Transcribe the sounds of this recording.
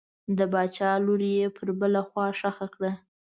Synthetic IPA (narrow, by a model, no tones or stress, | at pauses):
d̪əbɑt͡ʃɑloɾijepʰəɾbəlaxwɑʂaxakɽa